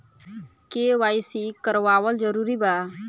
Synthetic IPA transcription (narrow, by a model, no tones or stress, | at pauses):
kewaːjsikəɾʋaːwəld͡ʒəɾuɾiba